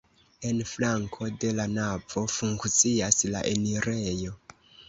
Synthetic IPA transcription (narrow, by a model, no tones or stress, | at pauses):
e̞nflaŋkʰo̞de̞lanavo̞fuŋkt͡siasla̰ʔe̞niɾejo̞